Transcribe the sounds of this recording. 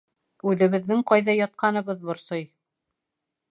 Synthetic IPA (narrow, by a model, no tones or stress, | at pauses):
ʉðɘ̆βɘ̆ðːɘŋqɑjðɑjɑt̪̚qʰɑnɤ̆βɤðbŏɾsoj